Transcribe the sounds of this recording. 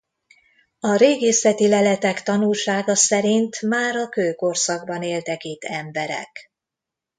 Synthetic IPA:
ɒɾeːɡeːsɛt̪ilɛlɛt̪ɛkt̪ɒnulʃaːɡɒsɛɾint̪maːɾɒkøːko̞rsɒɡbɒneːlt̪ɛkit̪ʰːɛmbɛɾɛ̰k

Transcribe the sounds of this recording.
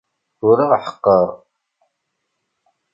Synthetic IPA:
ʊɾiʁħə̥qːəɾˤ

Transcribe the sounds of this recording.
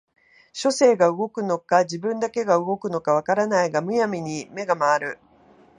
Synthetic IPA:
ɕo̞se̞ːɡaɯ̟ɡo̞kɯ̟no̞kad͡ʑibɯ̟̃nd̪ake̞ɡaɯ̟ɡo̞kɯ̟no̞kaβ̞akaɾanaiɡamɯ̟jamʲiɲ̟ime̞ɡamaːɾɯ̟

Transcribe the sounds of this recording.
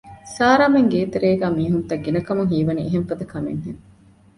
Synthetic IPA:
saːɾaːmeŋɡeːt̪eɾeːɡæːmiːɦunt̪ɐɡːinɐkɐmuŋɦiːʋɐnieɦeɱfɐd̪ɐkɐmḛŋɦeŋ

